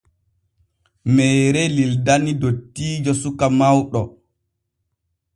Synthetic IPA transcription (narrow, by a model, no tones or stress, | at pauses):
mɛːɾɛlildanidotːiːd͡ʒosukamawɗɔ